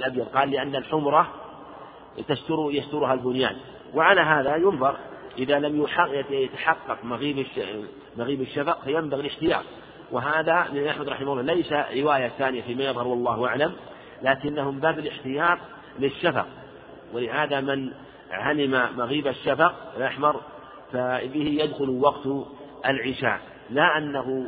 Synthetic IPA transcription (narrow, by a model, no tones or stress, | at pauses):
lʔabjɑðˤqɑːlːɪʔanːalħʊmɾˤɑ | t̪aʃt̪ʊɾjaʃt̪ʊɾʊhalbʊnja̰ːn | waʕalaɦaːðajʊnðˤɑɾˤʔɪðalamjʊħajjat̪ḁħɑqːɑqmaɣiːb | maɣiːbaʃːafɑqfajambaɣilɪħt̪ɪjɑ̰ːt̪̚ˤ | wɪɦaːðamɪnlʔaħmad̪ɾˤɑ̰ħɪmaʊlːɑːlejsaɾɪwaːjaθaːnɪjafiːmaːjɑðˤhɑɾˤwɑlˤːɑːhʔaʕlam | laːkɪnːahʊmɪmbaːbalɪħt̪ɪjɑːt̪ˤ | lɪʃːafɑ̰q̚ | wɪlɪhaːðamɪn | ʕalɪmamaɣiːbaʃːafɑqɪlʔaħmɑɾˤ | fabɪhɪjad̪xʊlwɑqt̪ | ʔalʕɪʃa̰ː | laʔanːaɦʊ